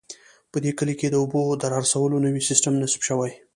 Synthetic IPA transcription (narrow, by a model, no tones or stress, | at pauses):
pəd̪ekəliked̪əʊbod̪əɾɑɾasawəlonəwisɪsʈəmnasbʃəwaj